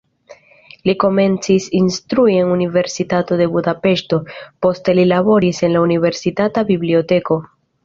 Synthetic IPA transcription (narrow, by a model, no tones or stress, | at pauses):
liko̞me̞nt͡sisinst̪ɾuie̞nunive̞ɾsitato̞de̞budape̞ʃto̞po̞ste̞lilabo̞ɾise̞nlaunive̞ɾsitatabiblio̞te̞ko̞